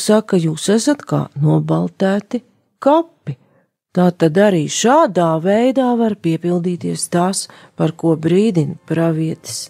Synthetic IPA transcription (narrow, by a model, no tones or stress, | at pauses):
sakːajuːsæsat̪ka̰ːnuɔbalˠt̪æːt̪i | kapːi | t̪aːt̪ad̪aɾiːʃaːd̪aːvɛjd̪aːvaɾpiɛpilˠd̪iːt̪iɛst̪aːs | paɾkuɔbɾiːd̪inpɾaviɛt̪i̥s